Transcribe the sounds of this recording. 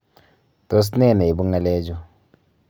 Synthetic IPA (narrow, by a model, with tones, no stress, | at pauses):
to˦s̬nɛ˦˨na˨i˨bu˦ŋa˦lɛ˦d͡ʒɔ˦